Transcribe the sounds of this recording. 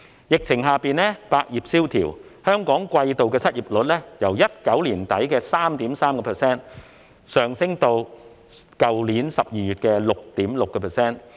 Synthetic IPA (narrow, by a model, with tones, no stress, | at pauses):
jɪ˨k̚t͡sʰɪ˨˩ŋɦaː˨piː˨˧nlɛː˥paː˧k̚jiː˨p̚siː˥wt̪ʰḭː˨˩whœː˥ŋkɔː˨˥ŋkʷɐ˧jt̪o˨wkɛː˧sɐ˥t̚ʔiː˨p̚lɵ˨˥t̚lɛː˥jɐ˨˩wjɐ˥t̚kɐ˨˥wliː˨˩nt̪ɐ˨˥jkɛː˧saː˥mt̪iː˨˥msaː˥mkɔ˧pʰɛ˨sɛː˥n | sœː˨ŋsɪ˥ŋt̪o˧w | kɐ˨wliː˨˥nsɐ˨p̚jiː˨jyː˨t̚kɛː˧lʊ˨k̚t̪iː˨˥mlʊ˨kːɛː˧pʰɛː˨˩sɛː˥n